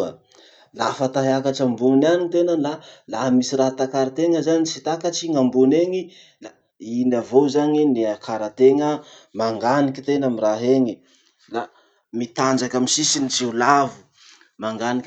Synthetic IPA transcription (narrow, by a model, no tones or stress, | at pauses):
ə | la̰fat̪aɦeakaʈ͡ʂambunanit̪enəlalaɦmisiɾat̪akaɾat̪eŋəzanit͡sit̪akat͡ʃiŋambuneŋi | la | inavozaɲiniakʰaɾat̪eŋəmaŋɡanikʲi̥t̪enamiraɦeŋi | la | mit̪and͡ʒakʲamisisinit͡siulavu̥ | maŋɡanik